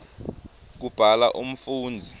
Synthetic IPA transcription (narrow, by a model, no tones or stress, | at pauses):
k̬ub̥ʱalaʔum̩fuːnd͡zʱi